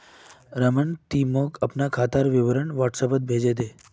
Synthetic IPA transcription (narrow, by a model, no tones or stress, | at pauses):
ɾəməɳt̪imokəpnakʰat̪aɾʋɪʋɾəɳʋaʈsəpət̪̚bʱeːd͡ʒed̪e